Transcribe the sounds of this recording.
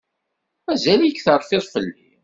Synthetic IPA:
mæzælkθəɾˤfɪðˤfəlːi

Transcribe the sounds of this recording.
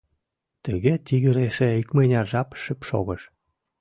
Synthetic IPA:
t̪əɣet̪iɣə̆ɾeʃeikmenʲɑʒɑpʃəpʃo̰ɣəʃ

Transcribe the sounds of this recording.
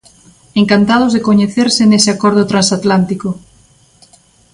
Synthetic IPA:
eŋkant̪að̞ozðekoɲeθeɾseneseakɔɾð̞ot̪ɾansat̪lant̪iko

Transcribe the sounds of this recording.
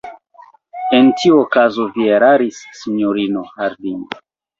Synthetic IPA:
entʰiuokazo̞vieɾaɾisːiɲoɾinohaɾdino

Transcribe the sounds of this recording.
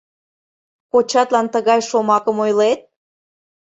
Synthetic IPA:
kot͡ɕɑt̪lɑnt̪əɣɑjʃomɑkəmojlet̪̚

